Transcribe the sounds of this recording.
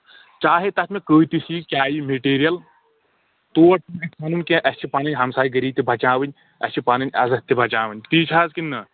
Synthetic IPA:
t͡ʃaːɦet̪ɐt̪mekəːt̪isikʲaːjimeʈeːɾijɐl | t̪oːɐʈɐnɐkaːnunkẽʔɐst͡ʃʰipaːnɨɲʲɦɐmsaːiɡɐɾiːt̪ibʱɐt͡ʃãːʋɨnʲ | ɐ̰st͡ʃʰipaːnɨnʲɐzɐt̪ːebʱɐt͡ʃaːʋɨnʲt̪iːt͡ʃʰaːzkinɐ

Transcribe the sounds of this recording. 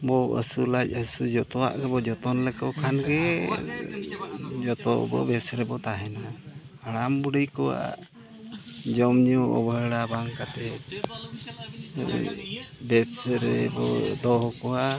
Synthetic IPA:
bɔə̰sulac̚əsud͡ʒɔt̪ɔwa̰ʔɡɛbɔd͡ʒɔt̪ɔnlɛkɔkʰanɡɛ | d͡ʒɔt̪ɔ̰bɔ̰bɛsɾɛbɔt̪aɦɛna | aɽambuɖəjkɔwa̰ʔ | d͡ʒɔmɲɔɔ̰bəɽabaŋkat̪ɛ | bɛsɾɛbɔ̰d̪ɔɦɔkɔwa

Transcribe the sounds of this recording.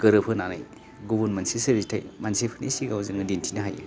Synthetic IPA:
ɡɯɾɯpʰɯnana̰j | ɡubunmɐnsisɐɾitʰajmansepʰɯnḭsiɡawzɯŋɯdintʰinɐɦajḛ

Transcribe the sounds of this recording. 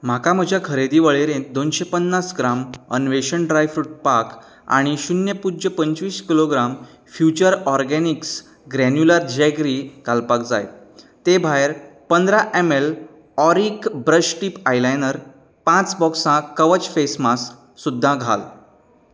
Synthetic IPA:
m̤akam̤əd͡ʑʱjakʰəɾed̪iːʋəɭeɾẽd̪onɕepənːasɡɾamə̰nʋeɕəɳɖɾajfɾuʈ̚pak | a̰ɽ̃iɕunjəpud͡ʑəpəɲt͡ɕʋiːskiloɡɾam | fjut͡ɕəɾɔɾɡɛniks | ɡɾɛnjuləɾd̪d͡ʑaɡɾikalpakd͡za̰j | t̪ebʱaeɾpənd̪ɾaʔemel | ɔɾikbɾəɕʈipajlajnəɾ | pãt͡sbɔksãkəʋət͡ɕfesmasː | ud̪ʱːãɡʱa̰l

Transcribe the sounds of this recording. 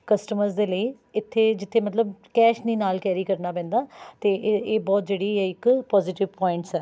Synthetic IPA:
kəsʈəməɾzd̪eːləiː | ɪt̪ʰːeːd͡ʒɪt̪ʰːeːmət̪ləbkɛːʃniːnaːlkɛːɾiːkəɾnaːpɛ̃ːnd̪aːt̪eːʔeːbɔːt̪̚d͡ʒeːɽiːɛːɪkpɔːzɪʈɪʋpɔːɪɳʈsɛː

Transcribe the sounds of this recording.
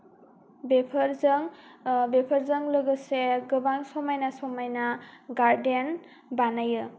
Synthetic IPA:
bepʰəɾzɯŋbepʰəɾzɯŋlɯɡɯseɡɯbaŋsɔmajnasɔmajnaɡaɾden | banajɯ

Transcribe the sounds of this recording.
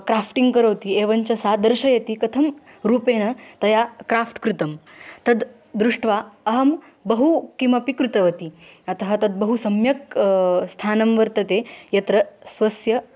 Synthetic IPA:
kɾaːfʈiŋɡkɐɾoːt̪ieːʋɐnt͡ɕɐsaːd̪ɐɾʃɐjɐt̪ikɐt̪ʰɐm | ɾuːpeːnɐt̪ɐjakɾaːfʈkɾut̪ɐm | t̪ɐd̪ | d̪ɾuʂʈʋaɐɦɐm | bɐɦukimɐpikɾut̪ɐʋɐt̪iɐt̪ɐɦɐt̪ɐd̪̚bɐɦusɐmjɐkst̪ʰaːnɐmʋɐɾt̪ɐt̪ejɐt̪ɾɐsʋɐsjɐ

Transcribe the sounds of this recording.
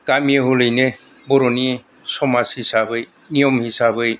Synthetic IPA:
kamijeɦulɯjne | bɔɾɔni | sɔmashisabɯj | nijɔmhisabɯj

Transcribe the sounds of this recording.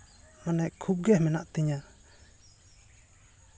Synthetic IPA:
manɛʔkʰup̚ɡɛhmɛnaʔt̪iɲa

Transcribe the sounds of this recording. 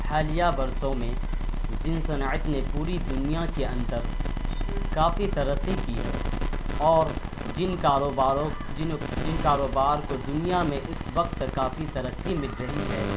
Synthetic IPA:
haːlijabɐɾsõmẽ | d͡ʒɪnsɐnaːɪt̪nepuːɾid̪ʊnijakeɐ̃nt̪əɾ | kaːfit̪ɐɾət̪ːikiːɦɛ̰ːɔːɾ | d͡ʒɪnkaːɾoːbaːɾõɪd͡ʒɪnkaːɾoːbaːɾkod̪ʊnijamẽʔʊsʋɐqt̪kaːfit̪ɐɾət̪ːimɪʈɾəɦiɦɛ̰ː

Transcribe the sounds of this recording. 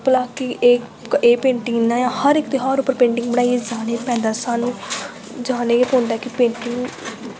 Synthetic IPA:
pəlaːkieː | eːpẽːɳʈɪŋnãːjãːhəɾɪkt̪eːɦəɾʊpːəɾpẽːɳʈɪŋɡ̚bəɽ̃aːied͡ʒaːneːpɛ̃ːnd̪aːsaːnũː | d͡ʒaːneːpõːnd̪aɛkɪpẽːɳʈɪŋɡ

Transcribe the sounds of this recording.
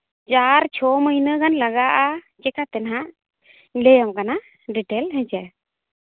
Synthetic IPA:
d͡ʒaɾt͡ʃʰɔməjnəɡanlaɡaʔa | t͡ʃɛkat̪ɛnɦaʔ | lɛjamkana | ɖiʈɛlɦɛ̃d͡ʒɛ

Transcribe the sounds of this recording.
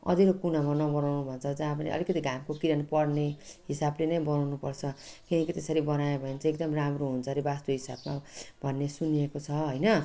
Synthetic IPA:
ʌ̰d̪ʱiɾokunamanʌbʌnawnubʱʌnt͡sʰʌd͡zãpanḭʌ̰likʌt̪iɡʱamkokiɾʌnpʌɽneɦisablenʌjbʌnawnupʌrt͡sʰʌkinʌkit̪esʌɾibʌnajebʱʌent͡sek̚d̪ʌmramroɦunt͡sʰʌɾebast̪oɦisa̰bmabʱʌnːesuniekot͡sʰʌɦʌjnʌ

